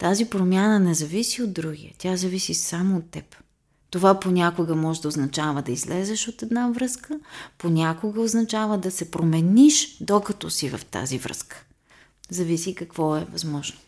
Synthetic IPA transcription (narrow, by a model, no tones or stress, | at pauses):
t̪azipɾomʲjanənɛzɐvisiod̪̚d̪ːɾuɡijə̰t̪ʲjazɐvisisamoːt̪ːɛp | t̪ovaponʲakoɡəmɔʒɛd̪ɐoznɐt͡ʃavəd̪ɐizlɛzɛʃot̪ɛd̪navɾɤskəponʲakoɡəoznɐt͡ʃavəd̪ɐsɛpɾomɛniʃd̪okɐt̪ɔsivɐ̰ft̪a̰zivɾə̰skə̥ | zɐvisikɐkvɔɛvɐzmɔʒnʊ